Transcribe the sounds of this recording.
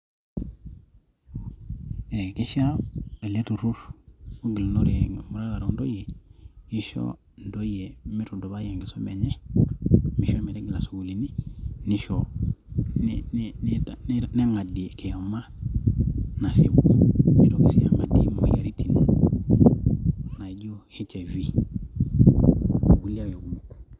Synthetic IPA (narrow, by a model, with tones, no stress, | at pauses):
e˨ki˦ʃae˨le˦tu˨ɾu˦ɾmu˦ɡi˨lno˦ɾimu˨ɾa˦la˨ɾo˨ndo˦je˨i˦ʃo̰˦ | ndo˦je˨mi˦ɾu˨do˨ba˦je˨ŋɡi˨so˦me˨ɲe˦ | mi˦ʃo˦mi˨ɾe˦ɡi˨la˨su˨ɡu˨li˨ni˦ni˦ʃɔ˨ | nnn˦tnɛ˦ŋa˨di˨kɛ˨jɔ˨ma˦ | na˨se˨ku˦u˦mi˨ɾo˨ki˨si˦a̰˨ŋa˨dḭ˦ma̰˨ja˨ɾi˦ti˨ni˨ | na˨ɟo˦he˦t͡ʃɛ˨vi˦˨ | wu˦li˦a˦jo˨ɡu˨mu˨ku̥˨